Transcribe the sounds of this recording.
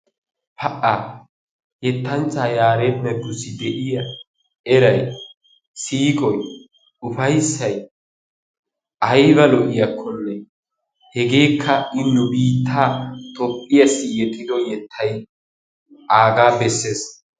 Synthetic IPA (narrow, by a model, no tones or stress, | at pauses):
pɐʔaː | jɛt̪ːɐnt͡sːaːjaːɾemːɛɡːʊsɪd̪ɛʔɪjɐ | ʔɛɾɐj | siːkʼɔj | ʊfɐjsːɐj | ʔɐjbɐlɔʔɪjɐkʰːɔnːɛ | hɛɡe̞ːkʰːɐɪnːʊbiːt̪ːaːt̪ɔpʼːɪjɐsɪjɛt̪ʼːɪd̪ɔjɛt̪ʰːɐj | ʔaːɡaːbɛsːe̞ːs